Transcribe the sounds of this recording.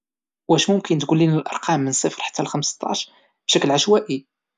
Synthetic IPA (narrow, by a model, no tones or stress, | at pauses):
wæʃmʊmkənt̪ɡulːinəlʔɑ̰ɾˤqʰɑmːənsˤəfɾˤħḁt̪ːælxəmst̪ˤɑ̰ʃ | b̥ʃæklʕaʃwæʔi